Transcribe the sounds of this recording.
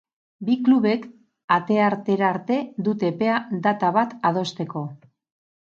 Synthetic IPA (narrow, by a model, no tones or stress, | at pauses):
bikluβe̞k | at̪e̞aɾt̪e̞ɾaɾt̪e̞d̪ut̪e̞pe̞ad̪at̪aβat̪að̞o̞st̪e̞ko̞